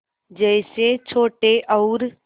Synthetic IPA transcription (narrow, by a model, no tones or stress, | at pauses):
d͡ʒɛːset͡ʃʰoːʈeʔɔʊɾ